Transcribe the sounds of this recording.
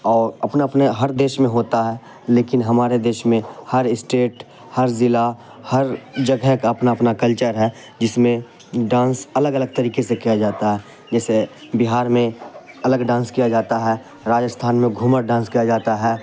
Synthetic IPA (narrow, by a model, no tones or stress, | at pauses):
ɔːɾɐpnaəpneɦɐɾd̪eːʃmẽɦoːt̪aɦɛː | leːkɪnɦɐmaːɾed̪eːʃmẽhəɾɪsʈeːʈ | həɾzɪla | həɾd͡ʒəɡɛkaəpnapnakəlt͡ʃəɾɦɛ | d͡ʒɪsmẽ | ɖãːnsɐləɡələɡ̚t̪əɾiːkesekijad͡ʒaːt̪aɦɛː | d͡ʒɛːsebɪɦaːɾmẽɐləɡɖãːnskijad͡ʒaːt̪aɦɛ | ɾaːd͡ʒəst̪ʰaːnmẽɡʱuməɾɖãːnskijad͡ʒaːt̪aɦɛː